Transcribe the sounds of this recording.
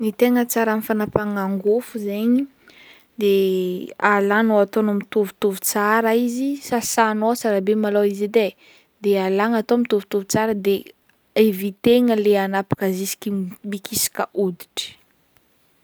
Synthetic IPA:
nit̪eŋət͡saɾanifanapaŋaŋɡufuzeɲi | d̪e | alanoat̪onomit̪uvut̪uvut͡saɾaizisasanot͡saɾabemaloizid̪e | d̪ealaŋat̪omit̪uvu̥t̪uvut͡saɾəd̪e | evit̪eŋəleanapḁkazisi̥kʲimikisi̥kəʔud̪i̥ʈ͡ʂi̥

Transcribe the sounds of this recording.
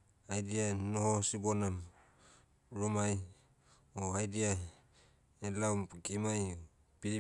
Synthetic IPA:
ajdianohosibonam | ɾumaj | oajdia | elawmɡimaj | piɾi

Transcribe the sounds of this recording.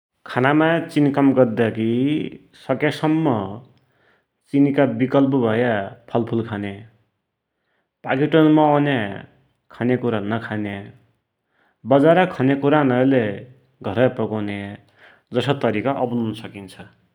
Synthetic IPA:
kʰanamat͡sinkʌmɡʌɾd̪aki | sʌkjasʌmːʌ | t͡sinikabikʌlp̬ʌbʱʌjapʰʌlpʰulkʰane | paɡiʈonmaanja | kʰanekuɾanʌkʰanja | bʌd͡zaɾʌkʰʌnekuɾanʌɾle | ɡʱʌɾʌpʌkona | d͡zʌsʌt̪ʌɾikaʔʌbnuunʌsʌkint͡sʰʌ

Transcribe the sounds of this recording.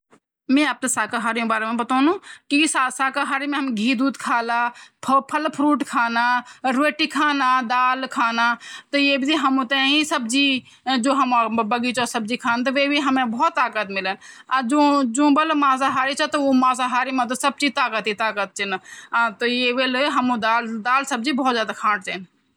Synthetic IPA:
mẽːap̚t̪esaːkaɦaːɾijũbaːɾemẽbɐt̪aːnũːkisasaːkaɦaːɾimẽɦɐmɡʱiːd̪uːt̪kʰaːlaːpʰpʰəlpʰɾuːʈkʰaːnaːɾeːʈikʰaːnaːd̪aːlkʰaːnaːt̪ɐjeːbʱid͡ʒ̪iɦɐmʊt̪ẽĩsəbd͡ʒi | d͡ʒoːɦɐmabɐɡit͡ʃosɐb̚d͡ʒikʰaːnt̪ɐʋeːbiɦɐmẽbɔːt̪ːaːkət̪mɪlənad͡ʒũd͡ʒũːbɐlmaːzaɦaːɾit͡ʃʰat̪ɐumaːzaɦaːɾimɐ̃t̪ɐsɐb̚d͡ʒit̪aːkət̪it̪aːkət̪̚t͡ʃɪnːt̪ɐjeʋeːlɦɐmũd̪aːld̪aːlsɐb̚d͡ʒibʱɔːt̪zjaːd̪akʰãːʈt͡ʃ̪eːn

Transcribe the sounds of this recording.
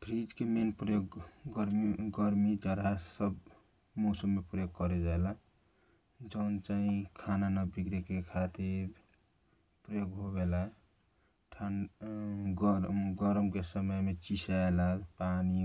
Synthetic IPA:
bʱɾid͡ʒkemenpɾəjoɡɡəɾɡəɾmid͡ʒaɾasəb | mɔsəmːepɾəjoɡ̚kɔɾɛd͡ʒaela | d͡ʒəwnt͡ʃaɦĩkʰananabikɾekekʰat̪iɾ | pɾəjoɡɦoβela | ʈʰan | ɡɡɔɾmkesəməjmet͡ʃisaelapani

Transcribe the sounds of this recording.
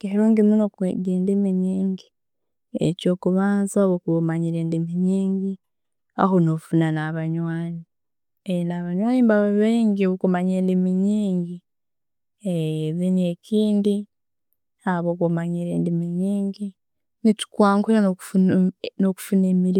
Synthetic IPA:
keɾuːŋɡimunokɡeːndimiɲiːŋɡi | ḛco̞ːkuβaːnzaβokumaɲiɾe̞ːndimiɲiːŋɡi | a̰honofunanaβaɲwaːni | enaβaɲwaːnimbaweβeːŋɡiβukumaɲeːndimiɲiːŋɡi | eβineciːndi | aβokumaɲiɾḛːndimiɲiːŋɡi | nitu̥kwaːŋkuao | noku̥funeːmiɾi

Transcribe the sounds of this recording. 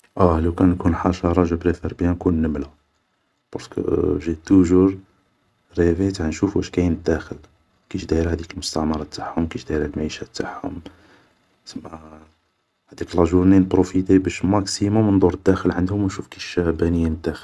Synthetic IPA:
ʔælæwkænkunħɑʃɑɾˤɑʒəbɾefiɾbjænkunːəmla | bɑɾˤskə̰ʒit̪ːuʒuɾ | ɾevəjt̪aʕnʃufwʔæʃkæjənəd̪ːæxəl | kiʃd̪æəɾhæd̪ikəlmʊst̪ɑʕmɑɾˤɑt̪ːaħhʊmkiʃd̪æjəɾhælmæiʃæt̪ːaħhʊ̰m | t̪əmːæ | hæd̪ikəlɑʒuɾninəpɾofit̪ebæʃmæksimʊmnd̪ˤuɾəd̪ːæxəlʕənd̪hʊmwnʃufkiʃæhbænəjːind̪ːæxəl

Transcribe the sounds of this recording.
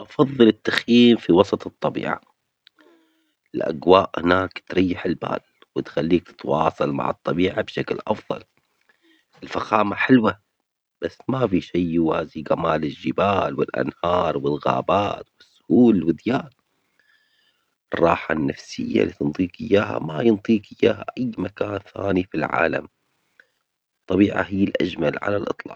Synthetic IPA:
ʔɑfɑðˤːɨlɪt̪ːaxjiːmfiwɑsˤɑt̪ˤɨt̪ˤːɑbḭːʕa̰ | ɪlʔa̰ɡwaːʔhɪnaːkt̪ɾɑjːɪħɪlba̰ːl | wɪt̪xalːiːk̚t̪ɪ̥t̪wɑːsˤɑlma̰ʕɨt̪ˤːɑbiːʕabʃaklʔɑfðˤɑ̰l | ɪlfaxaːmaħɪlwa | b̥asːmafiʃajwhaːziɡamaːlɪʒːɪbaːlwɪlʔa̰nhɑːɾˤwɪlɣa̰ːbaːt̪wɪsːʊ̥huːlwɪd̪jaːl | ʔɨrˤːɑːħanːafsɪjːa̰liːt̪ɨnt̪ˤiːqʔɪjːaːɦa̰majɨnt̪ˤiːqʔɪjːaːɦa̰ʔajːmakaːnθaːnifilʕa̰ːla̰m | t̪ˤːɑbiːʕa̰ɦɪjːɪlʔad͡ʒmalʕa̰lalʔɨt̪ˤlɑ̰ːʔ

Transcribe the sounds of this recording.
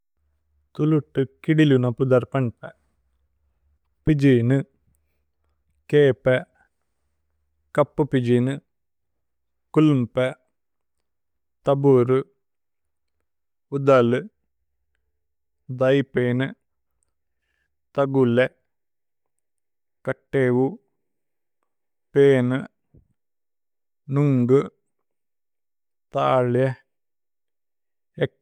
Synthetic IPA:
t̪uluʈːɨkiɽilunɐpud̪ɐɾpɐɳpɛ | pid͡ʒinɨ | keːpɛ | kɐpːɨpid͡ʒinɨ | kulumpɛ | t̪ɐbuɾu | ud̪ɐlɨ | d̪ɐjpeːnɨ | t̪ɐɡule | kɐʈːeːʋu | peːnɨ | nuŋɡɨ | t̪aːɭje | e

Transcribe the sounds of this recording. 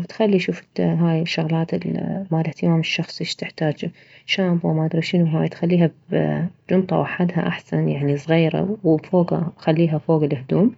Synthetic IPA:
t̪xalːiʃuːfɦaːjɪʃːʊɣlaːt̪ɪlmaːlɪht̪ɪmaːmɪʃːɑxsˤiʃt̪ɪħt̪aːd͡ʒ | ʃaːbwmad̪ɾɑʃɪnuɦaːjt̪xalːiːɦabd͡ʒʊnt̪ˤɑ̰wʔaħad̪ha̰ʔaħsanjaʕnisˤɣiːɾa̰wfoːɡaxalːiːɦafoːɡalɪhd̪uːm

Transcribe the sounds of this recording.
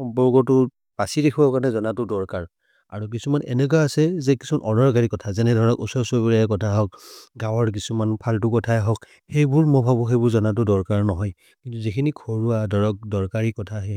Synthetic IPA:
xɔmpɔɹkɔtʊ | pasidekʰuakanɛzɔnatʊdɔɹkaɹ | a̰ɹuk̬isumanɛ̰nɛk̬ɔaasɛzɛkisumanʔɔdɔɹkaɹikɔtʰazɛnɛdʱɔɹɔkɔsɔsobiɹaɛkɔtʰaɦɔk̚ɡawɔɹk̬isumanpʰaltʊkɔtʰajɦɔk̚ | xejbʊɹmɔbʱabuxejbʊɹzɔnat̬ʊdɔɹkaɹnɔɦɔj | kintuzikʰinikʰoɹuadʱɔɹɔk̚dɔɹkaɹikɔtʰaɦi

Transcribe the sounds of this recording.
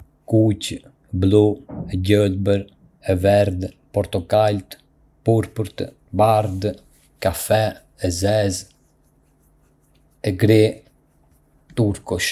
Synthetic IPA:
kuc | bluɛɟəlbəɾ | ɛvɛɾd̪ | pɔɾt̪ɔkalt̪ | puɾpuɾt̪ | baɾd̪ | kafɛ | ɛzɛz | ɛɡɾɛ | t̪uɾkɔʃ

